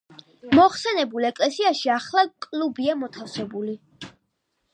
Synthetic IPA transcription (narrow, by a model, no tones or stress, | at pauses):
mɔχsɛnɛbulˠɛkʼlɛsiaʃiaχlˠakʼlˠubiamɔt̪ʰafsɛbuli